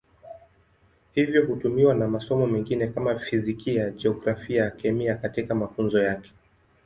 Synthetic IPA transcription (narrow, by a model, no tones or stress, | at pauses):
hivjɔhutumiwanamasɔmɔmɛŋɡinɛkamafizikijad͡ʒɛɔɡɾafiajakɛmiakatikamafunzɔjakɛ̥